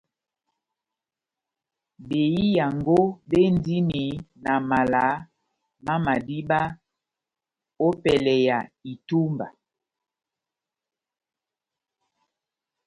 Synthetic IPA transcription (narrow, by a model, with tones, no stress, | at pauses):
be˨ji˦ja˨ŋɡo˦be˦n˦di˦ni˨na˨ma˨la˨˦ | ma˦ma˨di˦ba˦ | o˦pɛ˨lɛ˨ja˨i˨tu˦mba̰˨